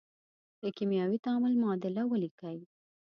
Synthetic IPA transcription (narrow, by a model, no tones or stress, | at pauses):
d̪̥əkimjɑwit̪ɑmʊlmɑd̪ɪlawəlikaj